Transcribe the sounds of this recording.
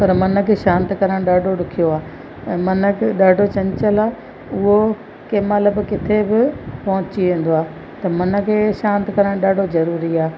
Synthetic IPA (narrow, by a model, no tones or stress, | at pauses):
pɐɾmɐnə̆kʰeːʃãːnt̪ɪkɐɾəɽ̃ɗaːɖʱoɗʊkʰijoaː | ɛ̃ːmɐnə̆kɗaːɖʱot͡ɕɐɲɪt͡ɕəlaː | ʊɦo | kemɐləbkɪt̪ʰebɪpɐɦʊ̃t͡ɕiʋẽːn̆d̪oaː | t̪ɐmɐnə̆kʰeːʃãːnt̪kɐɾəɽ̃ɗaːɖʱozɐɾuːɾiaː